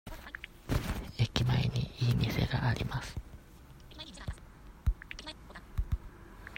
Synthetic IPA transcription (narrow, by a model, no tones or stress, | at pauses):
ekimainiiimisḛɾaʔaɾimas